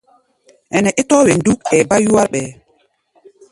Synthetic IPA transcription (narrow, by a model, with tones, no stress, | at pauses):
ʔɛ˨nɛ˨ʔɛ˦tɔː˦wɛ˨ndu˦kɛ˨ba˦ju˦wa˦ɾɓɛ˨